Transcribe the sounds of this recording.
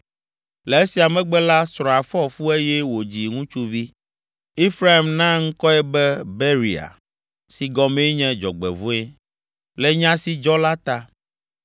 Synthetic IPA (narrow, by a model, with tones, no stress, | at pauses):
lɛ˨e˦si˨a˨mɛ̃˦ɡ͡bɛ˦la˦sɾɔ̃˨a˨fɔ˦fu˦e˦jɛ˦wo˨d͡ʑi˨ŋũ˦t͡ʃu˦vi˦ | i˦fɾa˦i˨mnã˦ŋ̩˦kɔ˦ɛ˦bɛ˦be˦ɾi˨a̰˨ | si˨ɡɔ˨me˦ɲɛ̃˦d͡ʒɔ̰˨ɡ͡bɛ̰˨vu˦e˦ | lɛ˨˦ɲã˦si˦d͡ʒɔ˦la˦t̪a˦